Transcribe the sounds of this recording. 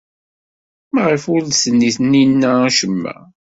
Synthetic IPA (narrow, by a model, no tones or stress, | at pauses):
mæʁəfʊɾðsənːiθəninːææʃəmːæ̰